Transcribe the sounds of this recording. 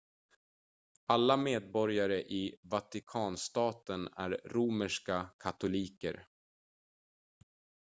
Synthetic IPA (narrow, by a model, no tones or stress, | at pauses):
alːameːd̪̚bɔɾjaɾəʔɪvat̪ɪkʰɑːnst̪ɑːt̪ənæ̰ɾɾuməʂkakʰat̪ʊliːkə̰ɾ